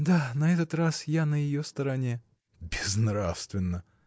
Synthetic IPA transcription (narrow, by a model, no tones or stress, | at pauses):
d̪anɐɛt̪ət̪rasjanəjɪjost̪əɾɐnʲe | bʲɪznɾafst̪vʲɪnːə